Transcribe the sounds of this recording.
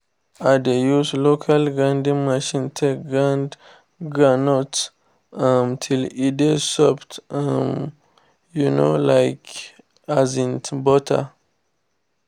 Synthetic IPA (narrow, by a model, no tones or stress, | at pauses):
adejuzlokʰalɡãndĩmaʃĩntʰekɡãnd | ɡanɔt | amtʰilidesɔptam | juno̰lajk | azĩntbɔtʰa̰